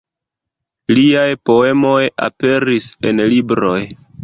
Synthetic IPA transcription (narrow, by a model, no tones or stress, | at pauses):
liajpo̞e̞mo̞ja̰pe̞ɾise̞nlibɾo̞j